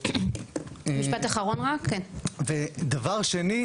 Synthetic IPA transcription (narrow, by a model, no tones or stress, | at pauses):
miʃpat̪aχaʁo̞nʁakkːenved̪avaʁʃeni